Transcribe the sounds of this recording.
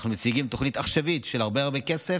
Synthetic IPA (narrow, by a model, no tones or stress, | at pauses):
χnumet͡siɡimt̪o̞χnit̪aχʃavit̪ʃelhaʁbeaʁbeke̞se